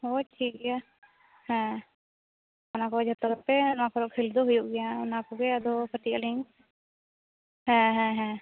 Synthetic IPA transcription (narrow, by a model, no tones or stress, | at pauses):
ɔʈʰik̚ɡɛja | hɛ̃ | ɔnakɔd͡ʒʱət̪ɔɡɾpɛnɔakɔɾɔʔkkʰild̪ɔɦujuʔɡɛjaɔnakɔɡɛad̪ɔkəʈiʔaliŋ | hɛ̃ɦɛ̃ɦɛ̃